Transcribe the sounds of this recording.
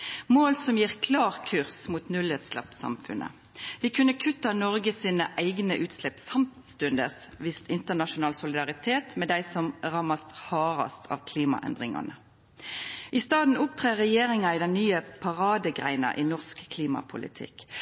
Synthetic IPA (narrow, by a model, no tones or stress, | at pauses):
moːlsɔmjiːʁkʰlɑːʁkʰʉʁsmuːt̪nʉlhɛt̪slɑ̰psɑ̰mfʉnʔə̰ | ʋɪkʰʉnːəkʰʉt̪ɑnɔʁɡəsiːnəʔæɪɡnəʔʉːt̪slɛpsɑmt̪st̪ʉnd̪əsʋɪst̪ɪnt̪əʁnɑʃʊnɑːlsʊlɪd̪ɑʁɪt̪ʰeːt̪mɛd̪æɪsɔmʁɑmɑst̪hɑːʁɑ̰st̪ʰɑ̰ːʋkʰliːmɑ̰ʔɛ̰nd̪ʁɪŋɑ̰nə | ʔɪst̪ɑːd̪n̩ʊp̚t̪ʰʁeːʁɛjeːʁɪŋɑid̪ɛnnyːəpʰɑʁɑːd̪əɡʁæ̰ɪnɑ̰ʔiːnɔʁskkʰliːmɑ̰pʰʊlɪ̰t̪ʰɪ̰k